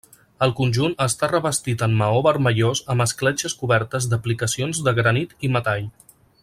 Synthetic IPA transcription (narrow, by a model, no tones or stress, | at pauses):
əlˠkunʲʒunəst̪arəβəst̪it̪əmːəoβəɾməʎozəməsklɛt͡ʃəskuβɛɾt̪əzd̪əplikəsionzd̪əɣɾənit̪imət̪aʎ